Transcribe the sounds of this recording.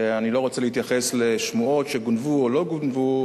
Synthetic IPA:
anilo̞ʁot͡selihit̪jaχesleʃmuo̞tʃeɡunvuolo̞ɡunvu

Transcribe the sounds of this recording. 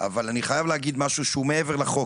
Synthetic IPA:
a̰valaniχajavleaɡid̪maʃuʃeumeeveʁleχo̞

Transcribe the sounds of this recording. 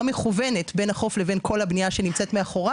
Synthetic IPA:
ame̞χuve̞ne̞tbe̞naχo̞fle̞ve̞nkʰo̞labnijaʃe̞nimt͡se̞tmeaχo̞ʁa

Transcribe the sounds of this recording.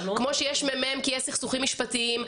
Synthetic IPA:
kmo̞ʃejeʃmemeemkijesiχsuχimːiʃpat̪iim

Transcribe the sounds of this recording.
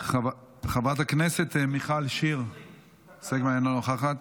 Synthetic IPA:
χav | χavat̪akneset̪miχalʃiʁ | sekmaenlonoχaχat̪

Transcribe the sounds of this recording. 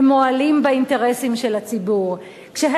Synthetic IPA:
moalimbeinte̞ʁesimʃelhat͡sibuʁ | kʃeɦ

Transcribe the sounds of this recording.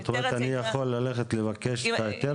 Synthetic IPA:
t̪omet̪anijaχo̞lːaleχet̪le̞vakeʃajot̪e

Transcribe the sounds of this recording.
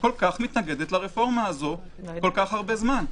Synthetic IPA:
ko̞lkaχmit̪naɡe̞d̪et̪laʁefo̞ʁmaːzo̞ | ko̞lkaχhaʁbe̞zman

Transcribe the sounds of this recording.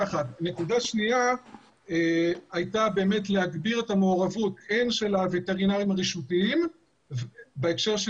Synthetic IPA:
aχatne̞kudaʃnia | eajtabe̞ːme̞tlehaɡbiʁetamoːʁavutenʃelaviteʁinaimʁiʃutiim | beekʃe̞ʁʃ

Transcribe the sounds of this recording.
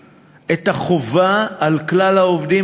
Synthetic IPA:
ʔet̪aχovaːlklalhaovd̪i

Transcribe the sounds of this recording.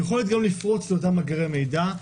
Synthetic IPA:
jeχo̞ljot̪̚ɡamlifʁo̞t͡sleot̬amaɡʁeme̞jda

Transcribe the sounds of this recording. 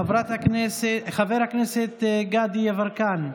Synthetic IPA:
avɾat̪akneseχaveɾhakneset̪ɡad̪ijavaɾkan

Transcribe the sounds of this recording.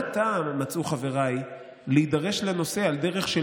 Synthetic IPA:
t̪ammat͡suχave̞ʁaj | leid̪aʁe̞ʃleno̞se̞ald̪e̞ʁe̞χʃe

